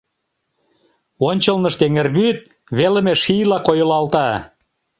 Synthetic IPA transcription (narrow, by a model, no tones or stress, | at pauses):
onʲt͡ɕəlnə̆ʃt̪eŋerβyt̪̚ | βelə̆meʃijlɑkojəlɑlt̪ɑ